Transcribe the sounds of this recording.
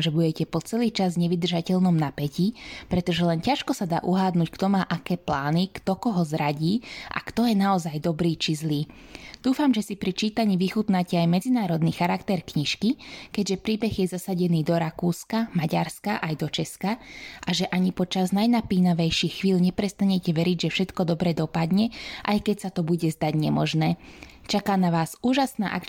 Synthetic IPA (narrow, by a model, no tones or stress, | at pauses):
ʒɛbuɟɛcɛpɔt͡sɛliːt͡ʃazɲɛʋid̪r̩ʒacɛʎnɔmnapɛcipɾɛt̪ɔʒɛlɛncaʃkɔsad̪a̰ːʔuɦaːd̪nuːckt̪ɔmaːʔakɛːplaːnikt̪ɔkɔɦɔzɾaɟiːʔa̰kt̪ɔjɛnaɔzajd̪ɔbɾiːt͡ʃizliːd̪̥uːfamʒɛsipɾit͡ʃiːt̪aɲiʋixut̪nacɛajmɛd͡zinaːɾɔd̪niːxaɾakt̪ɛɾkɲiʃkikɛɟʒɛpɾiːbɛɣjɛzasaɟɛniːd̪ɔɾakuːskamaɟa̰ɾskaʔajd̪ɔt͡ʃɛskaʔaʒɛʔaɲipɔt͡ʃaznajnapiːnaʋɛjʃixxʋiːlɲɛpɾɛst̪aɲɛcɛʋɛɾiɟʒɛfʃɛt̪kɔd̪ɔbɾɛd̪ɔpad̪ɲɛʔajkɛcsat̪ɔbuɟɛzd̪aɟɲɛmɔ̰ʒnɛːt͡ʃakaːnaʋaːzuːʒasna̰ːʔa̰k